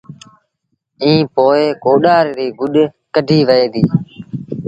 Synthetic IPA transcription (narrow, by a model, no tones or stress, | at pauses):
ĩːpoːeːkoːɗaːɾɾiːɡʊɗ | kəɖʱiːʋəeːd̪iː